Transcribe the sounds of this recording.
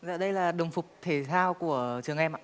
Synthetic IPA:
za̰ː˧˨ɗə˧jlaː˨˩ɗə˨˩ŋ͡mfʊ˨˩k͡p̚t̪ʰe˨˩˦t̪ʰaː˧wku˧˩ət͡ɕɨ˨˩əŋʔɛ˧ma̰ː˧˨

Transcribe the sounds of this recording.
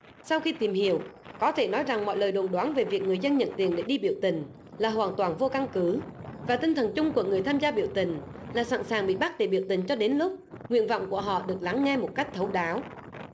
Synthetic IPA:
sa˧wxi˧t̪i˨˩mhi˧˨əw | kɔ˨˦t̪ʰe˧˩nɔ˨˦jza˨˩ŋmɔ̰˧˨jləː˨˩jɗo˨˩nɗwaː˨˦nve˨˩vi˨˩ək̚ŋɨ˨˩əjzə˧nɲə̰˧˨nt̪i˧˩ənɗe˧˩ɗi˧ɓḭ˧˨əwt̪ï˨˩ŋ̟ | laː˨˩ɦwaː˨˩nt̪waː˨˩nvo˧ka˧ŋkɨ˨˦vaː˨˩t̪ï˧ŋ̟t̪ʰə˨˩nt͡ɕʊ˧ŋ͡mku˧˩əŋɨ˨˩əjt̪ʰaː˧mzaː˧ɓḭ˧˨əwt̪ï˨˩ŋ̟laː˨˩sa̰˧˩nsaː˨˩ŋɓḭ˧˨ɓa˦˥ɗe˧˩ɓḭ˧˨əwt̪ï˨˩ŋ̟t͡ɕɔ˧ɗe˨˦nlʊ˦˥k͡p̚ŋwḭ˧˨ənvɔ̰˧˨wŋ͡mku˧˩əɦɔ̰˧˨ɗɨ˨˩ək̚la˨˦ŋːɛ˧mo˨˩t̚ka˦˥jk̟̚t̪ʰə˨˦wɗaː˨˦w

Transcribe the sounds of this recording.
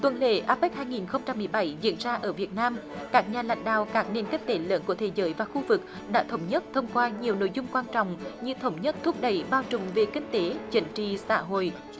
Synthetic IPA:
t̪wə˨˩nlḛ˧˨ʔaː˦˥p̚ːk̚haː˧jŋi˨˩nxə˧wŋ͡mt͡ɕa˧mːɨ˨˩əjɓa˧˩jzḭ˧˥ənzaː˧ʔəː˧˩vi˨˩ət̚naː˧m | kaː˦˥k̚ɲaː˨˩la̰˧˨jŋ̟ɗa̰ː˧˨wkaː˦˥k̚ne˧˩nki˦˥k̟̚t̪e˨˦ləː˨˦nku˧˩ət̪ʰe˨˩˦zəː˨˦jvaː˨˩xu˧vɨ˨˩k̚ | ɗa̰ː˧˥t̪ʰə˨˦wŋ͡mɲə˦˥t̚t̪ʰə˧wŋ͡mkwaː˧ɲi˨˩əwno̰˧˨jzʊ˧ŋ͡mkwaː˧nt͡ɕɔ̰˧˨ŋ͡mɲɨ˧t̪ʰə˨˦wŋ͡mɲə˦˥t̚t̪ʰu˦˥p̚ɗə˧˩jɓaː˧wt͡ɕʊ˨˩ŋ͡mve˨˩kï˧ŋ̟t̪e˨˦t͡ɕi˨˦ŋ̟t͡ɕḭ˧˨sa̰ː˧˥ɦo̰˧˨jʔ

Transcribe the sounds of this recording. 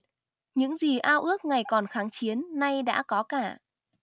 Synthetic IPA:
ɲɨ̰˧˥ŋzi˨˩ʔaː˧wʔɨ˦˥ək̚ŋa˨˩jkɔ˨˩nxaː˨˦ŋt͡ɕi˨˦ənːa˧jɗa̰ː˧˥kɔ˨˦kaː˧˩

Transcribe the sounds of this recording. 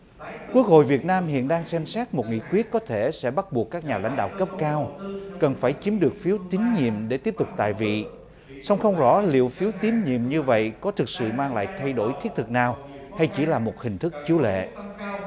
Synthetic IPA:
kwu˦˥ək̚ɦo̰˧˨jvi˨˩ət̚naː˧mhḭ˧˨ənɗaː˧ŋsɛ˧msɛː˦˥t̚mo˨˩t̚ŋḭ˧˨kwi˦˥ət̚kɔ˨˦t̪ʰe˧˩sɛ̰˧˥ɓa˦˥t̚ɓu˨˩əkːaː˦˥k̚ɲaː˨˩la̰˧jŋ̟ɗa̰ː˧˨wkə˦˥p̚kaː˧wkə˨˩nfaː˧˩jt͡ɕi˨˦əmɗɨ˨˩ək̚fi˨˦wt̪ï˨˦ŋ̟ɲḭ˧˨əmɗe˧˩t̪i˦˥əp̚t̪ʊ˨˩k͡p̚t̪a̰ː˧˨jvḭ˧˨ | sa˧wŋ͡mxə˧wŋ͡mzɔ̰˧˥lḭ˧˨əwfi˨˦wt̪i˨˦əmɲḭ˧˨əmɲɨ˧və̰˧˨jkɔ˨˦t̪ʰɨ˨˩k̚sɨ̰˧˨maː˧ŋla̰ː˧˨jt̪ʰa˧jɗo˧˩jt̪ʰi˦˥ət̚t̪ʰɨ˨˩k̚naː˨˩w | h̪ʰa˧jt͡ɕi˧˩laː˨˩mo˨˩t̚hï˨˩ŋ̟t̪ʰɨ˦˥k̚t͡ɕi˨˦əwlḛ˧˨

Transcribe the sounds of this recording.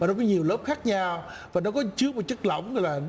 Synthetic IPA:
a˨˩nɔ˨˦k̬ɔ˨˦ɲi˨˩əwləː˦˥p̚xaː˦˥k̚ɲa˧w | vaː˨˩nɔ˨˦kɔ˨˦t͡ɕɨ˦˥ək̚m˨˩t̚t͡ɕə˦˥k̚lə̰˧˨wŋ͡mɣɔ̰˧˨laː˨˩

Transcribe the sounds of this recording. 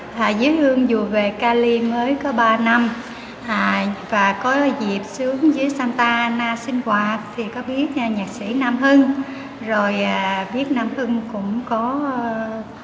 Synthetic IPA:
ʔaː˨˩zɨ˨˦jt̪ɨ˧əŋzu˨˩əve˨˩kaː˧li˧məː˨˦jkɔ˨˦ɓaː˧na˧m | ʔaː˨˩vaː˨˩kɔ˨˦zi˨˩əp̚sɨ˨˦əŋzɨ˨˦əjsaː˧nt̪aː˧naː˧sï˧ŋ̟kwaː˨˩t̪ʰi˨˩kɔ˨˦ɓi˦˥ət̚ːɲaː˨˩k̚sḭ˧˩naː˧mɦɨ˧ŋ | zo˨˩jʔaː˨˩ɓi˦˥ət̚naː˧mhɨ˧ŋkʊ̰˧˥ŋ͡mkɔ˨˦

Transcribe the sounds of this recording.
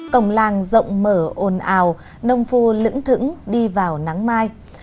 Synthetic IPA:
kə˧˩wŋ͡mlaː˨˩ŋzə̰˧˨wŋ͡mməː˧˩ʔo˨˩nʔaː˨˩w | nə˧wŋ͡mfu˧lɨ̰˧˥ŋt̪ʰɨ̰˧˥ŋɗi˧vaː˨˩wna˨˦ŋmaː˧j

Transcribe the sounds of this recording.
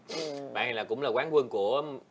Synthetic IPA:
ɓa̰ː˧˨n˨˩laː˨˩kʊ̰˧˥ŋ͡mlaː˨˩kwaː˨˦nkwə˧nku˧˩ə

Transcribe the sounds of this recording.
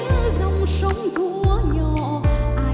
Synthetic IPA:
zə˧wŋ͡msə˨˦wŋ͡mt̪ʰu˧˥ɲɔ˨˩ʔaː˨˧˩

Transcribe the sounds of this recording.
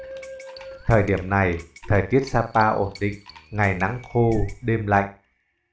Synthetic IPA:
t̪ʰəː˨˩jɗi˧˩əmna˨˩jt̪ʰəː˨˩jt̪i˦˥ət̚saː˧paː˧ʔo˧˩nɗḭ̈˧˨ŋŋa˨˩jna˨˦ŋxo˧ɗe˧mla̰˧˨jŋ

